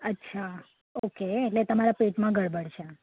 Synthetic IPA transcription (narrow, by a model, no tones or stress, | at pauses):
ətːʃʰa | okeːʈlet̪əmaɾapeʈmãɡʱəɽbʱəɽʃe